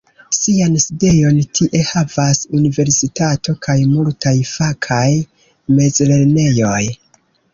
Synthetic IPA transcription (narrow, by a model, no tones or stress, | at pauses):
sianside̞jo̞ntʰiʔe̞havasunive̞ɾsitatʰo̞kʰajmultʰajfakʰaj | me̞zle̞ɾne̞jo̞j